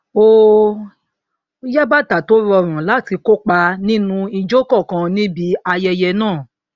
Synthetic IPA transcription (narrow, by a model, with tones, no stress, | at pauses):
o˧ | ja˦ba˦ta˨to˨˦ɾɔ˧˨ɾ̃ã˨la˦˨ti˧ko˦k͡pa˧nĩ˦nũ˧i˧d͡ʒo˦kɔ˦˨kã˧nĩ˦bi˨˦a˧jɛ˧jɛ˧nãː˦˨